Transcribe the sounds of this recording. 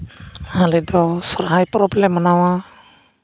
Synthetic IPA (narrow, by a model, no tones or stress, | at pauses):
halɛd̪ɔsɔɾɦajpɾɔblɛmːanawa